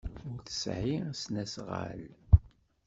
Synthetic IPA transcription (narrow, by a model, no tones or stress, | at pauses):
ʊɾθə̥sʕisnæsʁa̰l